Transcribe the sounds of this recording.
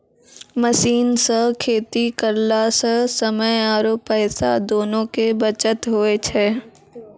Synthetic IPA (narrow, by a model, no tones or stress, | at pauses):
məsiːnsəɦkʰeːt̪ikəɾlasəsəməjaːɾoːpːɛːsad̪oːnõkebət͡ʃət̪ɦoːet͡ʃʰɛː